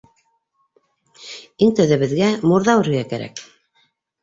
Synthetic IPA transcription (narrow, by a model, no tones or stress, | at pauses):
iŋt̪æðɘ̆βɘ̆ðɡæmuɾðɑwɘ̆ɾɘ̆ɡækæɾæ̰k